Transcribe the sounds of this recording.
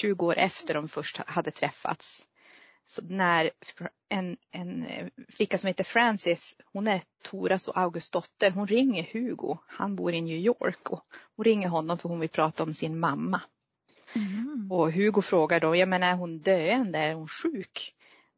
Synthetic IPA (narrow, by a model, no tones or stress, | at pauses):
ɕʉ̟ːɡəoːɾʔɛ̰ft̪əɖɔmfœʂʈhad̪ːət̪ʰɾɛfːa̰t̪s | sɔd̪næɾ | ɛnɛnflɪkːasɔmheːt̪əfɾænsɪshʊnæɾt̪ʰuːɾasɔ̰ʔaʊɡɵst̪̚d̪ɔt̪ːəɾɦʊnɾɪŋːəɾhʉ̟ːɡʊ̰ha̰nbṵːɾɪnjʉːjo̰ːɾkɔhʊnɾɪŋːəɾɦɔnːɔmfœɾhʊnvɪlpʰɾɑːt̪aɔmsɪnmamːa | ɔɦʉ̟ːɡʊfɾoːɡaɖɔmjɑmeːnaæɾɦʊnd̪øːɛnd̪əæɾhʊnʂʉ̟ːk